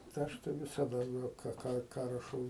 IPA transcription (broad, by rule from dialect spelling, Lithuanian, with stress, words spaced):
tɐɪ ˈɐʃ tɐɪ ʋʲɪsɐˈdɐ ˈkɑː ˈkɑː ˈkɑː rɐˈʃɐʊ